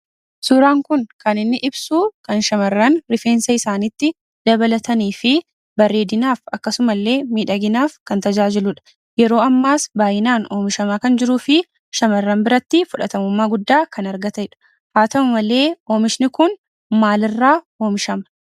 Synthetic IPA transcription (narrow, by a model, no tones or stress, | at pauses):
suːɾaːŋkʊnkɐnɪnːɪʔɪbsuːkɐnʃɐmɐrːɐnɾɪfe̞ːnsɐɪsaːnɪt̪ːɪ | d̪̥ɐbɐlɐt̪ɐniːfɪ | bɐrːe̞ːd̪ɪnaːfɐkːɐsʊmɐlːe̞ːmiːᶑɐɡɪnaːfkɐnt̪ɐd͡ʒaːd͡ʒɪlʊᶑɐ̥ | jɛɾo̞ːɐmːaːsbaːjɪnaːnoːmɪʃɐmaːkɐnd͡ʒɪɾuːfɪ | ʃɐmɐrːɐmbɪɾɐt̪ːɪfʊᶑɐt̪ɐmʊmːaːɡʊd̪ːaːkɐnɐɾɡɐt̪ɐɪᶑɐ̥ | haːt̪ɐʊmɐle̞ːoːmɪʃnɪkʊn | maːlɪrːaː | o̞ːmɪʃɐmɐ̥